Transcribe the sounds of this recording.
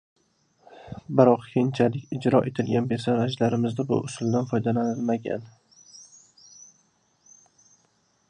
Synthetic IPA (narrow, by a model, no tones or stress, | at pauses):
bɪɾɒqkʲʰejɪnt͡ʃʰalɪkʲɪd͡ʒɾɒʔe̞t̪ʰɪlɡʲanbe̞ɾsaɾad͡ʒlaɾɪmɪzd̪abʊ̰ʔʊsʊlˠd̪anfɒjd̪alanɪlmaɡʲa̰n